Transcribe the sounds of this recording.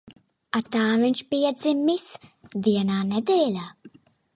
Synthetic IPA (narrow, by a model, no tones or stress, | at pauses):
at̪aːvinʲʃpiɛd̪zimisd̪iɛnaːned̪ɛːlʲaː